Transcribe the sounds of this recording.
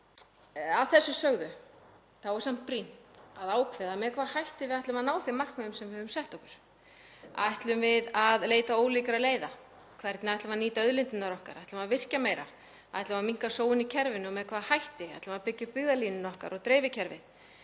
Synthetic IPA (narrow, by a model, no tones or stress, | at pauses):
aðθɛsːʏsœɣðʏ | θavɔɾ̥sam̥t̪̚pɾin̥t̪aðaːwkʰvɪðamɛðkʰvaːðhajht̪ɪvɪðajht̪lʏmaðnaːwθɪmar̥kmɛðʏmsɛmvɪhœvʏmsɛht̪ɔhkʏɾ̥ | aajht̪lʏmvɪðaðleːjt̪aoːwliːkɾaleːjða | kʰvɛɾt̪nɪaðaht̪lʏmaðniːt̪aœðlɪnt̪ɪnaɾɔhka̰ɾajt̪lʏmaðvɪr̥cameːjɾa̰ | aaɛjht̪ʏmaðmiŋ̥kasoːwʏnicʰɛɾvɪnʏɔmɛðkʰvaːðhajht̪ɪa̰jht̪lʏmaðpɪcːʏpɪɣðaliːnɪnɔhka̰ɾʔɔɣt̪ɾɛːjvɪcʰɛɾvɪ̰ð